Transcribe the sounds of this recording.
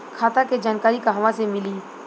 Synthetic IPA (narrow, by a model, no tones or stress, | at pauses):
kʰaːt̪aked͡ʒaːnkaːɾikaɦɐʋãsemɪliː